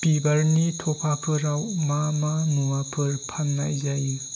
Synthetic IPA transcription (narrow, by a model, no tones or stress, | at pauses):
pibaɾnitʰɔpʰakʰɯɾawmamanuwapʰɯɾpʰanːa̰jzaj